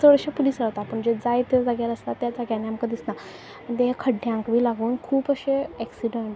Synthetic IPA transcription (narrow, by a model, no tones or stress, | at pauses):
səʋəɾɕapuliːsɾaʋt̪apəɳd͡ʑed͡zajt̪əd͡zaɡjaləslat̪jad͡zaɡjanːiamkəd̪isna | mɳt̪eɦekʰəɖjãŋkʋiːlaɡuːnkʰuːpəɕeɛksiɖəɳʈ